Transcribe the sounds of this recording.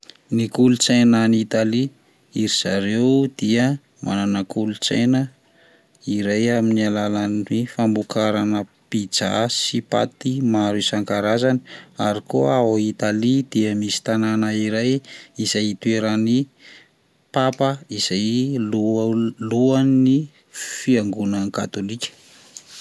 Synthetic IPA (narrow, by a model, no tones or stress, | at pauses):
nikulut͡sajnanit̪ali | iɾiz̥aɾewd̪̥iə | mʔa̰nanakulut͡sḛjnə | iɾajaminialalanwefambukaɾanəpid͡za̰sipa̰t̪imaɾusaŋkaɾazani̥aɾikoait̪alid̪iəmisi̥t̪ananəiɾajizajt̪ueɾani | papəiz̥ajluluani | fiaŋɡunənka̰t̪olikʲə̥